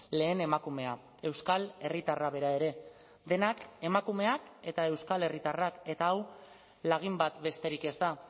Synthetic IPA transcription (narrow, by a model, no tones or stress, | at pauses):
le̞ːne̞makume̞a | e̞wskale̞rit̪araβ̞e̞ɾae̞ɾe̞ | d̪e̞nake̞makume̞ake̞t̪ae̞wskale̞rit̪arake̞t̪aːw | laɣ̞imbat̪be̞st̪e̞ɾike̞zd̪a